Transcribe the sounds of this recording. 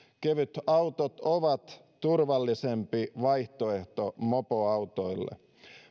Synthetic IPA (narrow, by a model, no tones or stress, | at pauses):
keʋyt̪ɑwt̪ot̪oʋɑt̪ | t̪urʋɑlːisempiʋɑjht̪oe̞ht̪omopoɑwt̪ojlːḛ